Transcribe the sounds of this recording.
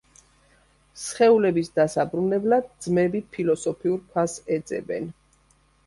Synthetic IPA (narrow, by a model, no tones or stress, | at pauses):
sχɛulɛbisd̪asabɾunɛblad̪̚d̪zmɛbipʰilɔsɔpʰiuɾpʰasɛd̪zɛ̰bɛ̰n